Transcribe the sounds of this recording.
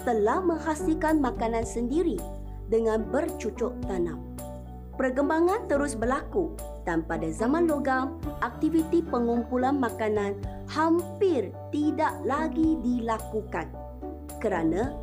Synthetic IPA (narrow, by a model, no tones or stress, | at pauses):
t̪əlahmə̃ŋhasilkanmãkanãnsəndiɾi | dəŋãnbərt͡ʃut͡ʃɔʔt̪anãm | pərɡəmbaŋãnt̪əɾʊsbərlaku | d̥anpadazamãnloɡamʔak̚t̪ivit̪ipəŋumpulanmakanãn | hampɪr | t̪idaʔlaɡidilakukan | kəɾanã